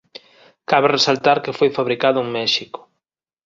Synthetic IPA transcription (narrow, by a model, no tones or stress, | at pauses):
kaβeresalt̪aɾkefojfaβɾikaðʊuŋmɛʃikʊ̥